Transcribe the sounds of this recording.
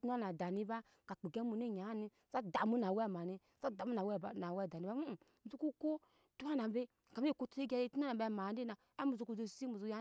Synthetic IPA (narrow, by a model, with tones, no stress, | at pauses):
tn˦a˦na˨da˨ni˦ba˦ | ka˨k͡pe˨ɡɛ˦mu˨ni˦˨ɲa˨˦ni˧˦˨sa˦da˨mu˦na˨wɛ˦˨ma˨ni˧ | sa˦da˨mu˦na˨wɛ˦˨na˨wɛ˦˨da˨ni˨ba˦u˦˨ | zu˦ku˦ko˦ | tu˦a˦na˨be˦˨ka˨m˦e˦˨ko˧te˦ɡa˧je˦˨tu˦a˦na˨bɛ˧˨m˨a˨˦de˦na˨ | a˦mu˧˨zu˧ku˧zo˧si˦mu˨zo˧ja˦